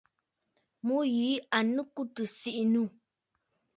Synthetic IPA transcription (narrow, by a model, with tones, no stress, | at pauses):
mu˦ji˨˦a˨nũ˦ku˦tu˨si˨ʔi˨nũ˦